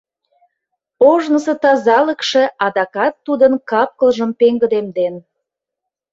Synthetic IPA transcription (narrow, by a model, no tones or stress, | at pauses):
oʒnəsə̆t̪ɑzɑləkʃĕʔɑd̪ɑkɑt̪ːud̪ənkɑp̚kəlʒə̆mpeŋɡə̆d̪emd̪en